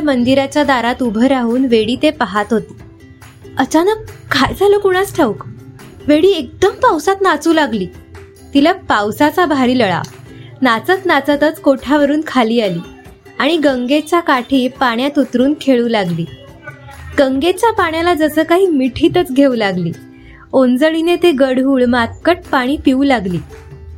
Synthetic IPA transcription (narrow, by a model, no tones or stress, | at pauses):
mənd̪iɾat͡ɕjad̪aɾat̪ubʱəɾaɦuːnʋeɽiːt̪epaɦat̪ɦot̪i̥ː | ət͡ɕanəkːʰajd͡zʱalokuɽ̃asʈʰeʋuk | ʋeɽiːek̚d̪əmpawsat̪nat͡suːlaɡliː | t̪ilapawsat͡sabʱaɾiːləɭa̰ | nat͡sət̪nat͡sət̪ət͡skoʈʰaʋəɾuːnkʰaliːaliː | aɽ̃iɡəŋɡet͡ɕjakaʈʰiːpaɳjat̪ut̪ɾuːnkʰeɭuːlaɡliː | ɡəŋɡet͡ɕjapaɳjalad͡zəsəːkaɦiːmiʈʰiːt̪ət͡sɡʱeulaɡlḭː | ond͡zəɭinet̪eɡəɽɦuːɭmat̪̚kəʈ̚paɽ̃iːpiuːlaɡliː